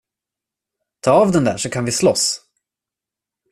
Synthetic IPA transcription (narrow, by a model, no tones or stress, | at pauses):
t̪ʰɑːavd̪ɛnd̪æ̰ːʂɔkʰanvɪslɔs